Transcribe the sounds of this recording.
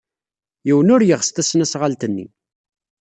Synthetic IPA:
jiwənʊɾjəʁst̪æsnæsʁalt̪ənːḭ

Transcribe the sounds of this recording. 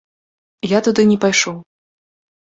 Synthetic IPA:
jat̪ud̪ɨnʲɛpajʂɔw

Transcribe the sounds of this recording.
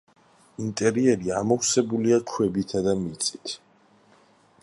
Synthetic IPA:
int̪ʼɛɾiɛɾiamɔwsɛbuliakʰwɛbit̪ʰad̪amit̪sʼit̪ʰ

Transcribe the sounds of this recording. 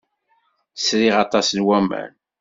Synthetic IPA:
sɾiʁɑt̪ˤɑsnwæmæ̰n

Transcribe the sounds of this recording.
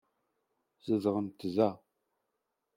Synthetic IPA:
z̥əzəʁəmtʰɨzaː

